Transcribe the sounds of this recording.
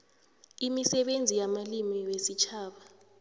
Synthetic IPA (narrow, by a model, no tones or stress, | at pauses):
imisɛɓend͡zʱijamalimiwesit͡ʃʰaːɓa